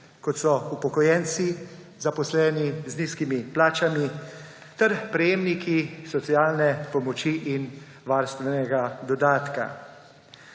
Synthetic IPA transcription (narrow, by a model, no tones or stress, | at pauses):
kɔt̪sɔupɔkɔjɛnt̪si | zapɔslɛːnizniskimiplaːt͡ʃami | t̪ɛɾpɾɛjeːmnikʰisɔtsiaːlnɛpɔmɔt͡ʃiʔin | ʋaːɾst̪ʋɛnɛɡad̪ɔd̪aːt̪ka̰